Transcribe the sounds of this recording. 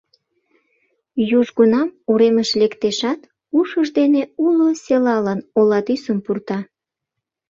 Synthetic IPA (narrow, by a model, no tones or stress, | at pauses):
juʒɡunɑmuɾeməʃlekt̪eʃɑt̪ | uʃəʒd̪eneuloselɑlənolɑt̪ysəmpurt̪ɑ